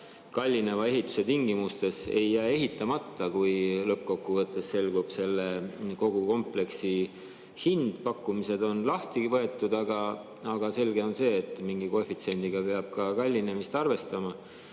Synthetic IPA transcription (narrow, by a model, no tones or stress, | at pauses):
kɑlʲːinevɑe̞ɦit̪ːˑu̥se̞t̪iŋɡimust̪e̞se̞jːæːe̞ɦit̪ːˑɑmɑt̪ːɑkujlɤp̚ko̞kːuvɤt̪ːˑesse̞lɡub̥se̞lːeko̞ɡ̥uko̞mple̞ksi | hind̪̥pɑkːumise̞d̪o̞nlɑht̪ivɤ̞e̞t̪ːˑud̪̥ɑɡ̥ɑ | ɑɡ̥ɑse̞lɡe̞o̞nse̞ːt̪ːˑmiŋɡiko̞fit̪se̞nʲd̪̥iɡ̥ɑpe̞ɑb̥̚kɑkɑlʲːine̞mist̪ɑrve̞st̪ɑmɑ